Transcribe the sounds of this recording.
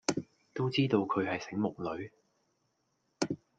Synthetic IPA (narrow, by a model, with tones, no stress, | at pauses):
t̪o˥wt͡siː˥t̪o˧wkʰɵ˨˧ɥhɐ˨jsɪ˨˥ŋmʊ˨k̚lɵ˨˧ɥ